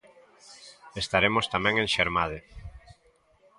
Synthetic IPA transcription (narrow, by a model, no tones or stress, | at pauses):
est̪aɾemost̪amɛ̃ŋẽŋʃeɾmaðɪ